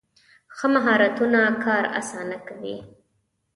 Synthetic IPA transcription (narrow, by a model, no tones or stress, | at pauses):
xəmaɦɑɾat̪unakʰɑɾa̰sɑnakawḭ